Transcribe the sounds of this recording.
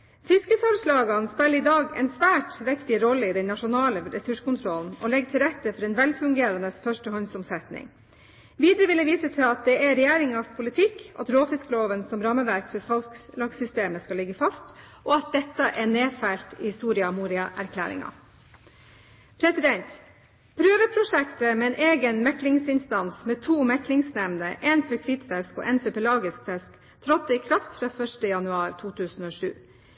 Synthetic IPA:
fɪskəsɑlslɑːɡɑnspɛlːɾɪd̪ɑːɡɛ̰nsʋæːʈʋɪkt̪ɪɾɔlːəɪd̪ɛnnɑʂʊnɑːləɾɛsʉʂkʊnt̪ʰɾɔln̩ɔlɛɡ̚t̪ʰɪlɾɛt̪ːəfɔɾɛːnʋɛlfʉŋɡeːɾɑnəsfœʂʈəhɔnsɔmsɛt̪nɪ̰ŋ | ʋiːd̪əɾəʋɪləʋiːsət̪ʰɪlɑt̪̚d̪ɛæɾɛjeːɾɪŋɑspʰʊlɪt̪ʰɪkɑ̰t̪ɾoːfɪskəloːʋənsɔmɾɑməʋæɾkfɔsɑlsklɑɡsʏst̪eːməskɑlɪɡːəfɑst̪ʔɔɑt̪̚d̪ɛt̪ːəʔɛɳeːfælt̪ɪsuːɾɪɑmuːɾɪɑʔæɾkʰlæ̰ːɾɪ̰ŋɑ̰ | pʰɾɛsɪd̪ɛnt̪ | pʰɾøːʋəpʰɾʊʂɛkt̪əmɛɛːnʔeːɡənmɛklɪŋsɪnst̪ɑnsmɛt̪ʰuːmɛklɪŋsnɛʋnəʔeːnfɔɾkʰʋɪt̪fɛskɔ̰ʔɛnfœpɛlɑːɡɪskfɛsk | t̪ʰɾɔt̪ːəɪkʰɾɑft̪fɾɑːfœʂʈəjɑnʉɑːɾt̪ʰuːt̪ʰʉːsənoːʂʉ̰ː

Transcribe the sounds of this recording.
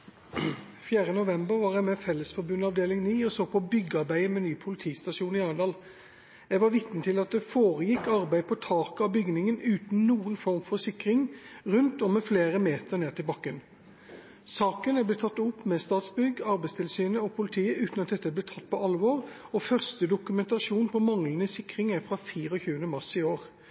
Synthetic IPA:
fjæːʁənʊʋɛmbəɾʋɑːɾjæɪmɛfɛlːəsfɔɾbʉnːɑʋd̪eːlɪŋniːɔsoːpʰɔbʏɡːəɑʁbæɪəmɛnyːpʰʊlɪt̪ʰiːst̪ɑʂuːnɪɑːd̪ɑːl | jæʋɑɾʋɪt̪nət̪ʰɪlɑt̪̚d̪ɛfoːʁəjɪkːɑɾbæɪpʰɔt̪ʰɑːkəɑbʏɡnɪŋənʉːt̪n̩nuːənfɔʁmfɔsɪkʁɪŋʁʉnt̪ɔmːɛfleːʁəmeːt̪əʁneːʁt̪ʰɪlbɑkːən | sɑːkənæblɛt̪ʰɑt̪ːʊpːmɛst̪ɑːt̪sbʏɡɑɾbæɪst̪ʰɪlsyːnəɔpʰʊlɪt̪ʰiːəʔʉːt̪nɑt̪̚d̪ɛt̪ːəblɛt̪ʰɑt̪̚ːpʰɔɑlʋɔʁɔfœʁst̪əd̪ʊkʉmɛnt̪ɑʃuːnpʰɔmɑŋlənəsɪkːʁɪŋæfʁɑfiːʁəɔçʉːənəmɑʁsɪoːʁ

